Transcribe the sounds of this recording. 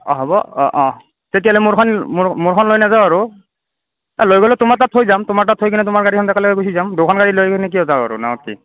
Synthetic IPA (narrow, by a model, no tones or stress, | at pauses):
ɔ̰ɦɔbɔ̰ɔ̰̃ʔɔ̃ | tetijalɛmʊɹkʰɔnmʊɹkʰɔnlojnazaʊaɹʊ | alojɡɔlɛtʊmaɹtatʰːojzamtʊmaɹtatʰːojkʰinɛtʊmaɹɡaɹikʰɔntɛkalɔkɛɡosizamdʊkʰɔnɡaɹilojkʰinɛk̬iɔzaʊa̰ɹʊ̰na̰ɔkḭ